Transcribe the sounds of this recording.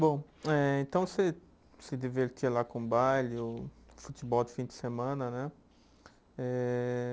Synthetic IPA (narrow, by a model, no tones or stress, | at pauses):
bõw̃ɛẽnt̪ɐ̃w̃se | sɪd͡ʒiveɾt̪iɐlakõbajlɪʊfut̪ibɔwd̪ɪfĩd͡ʒ̪ɪsemɐ̃nɐnɛ | ɛ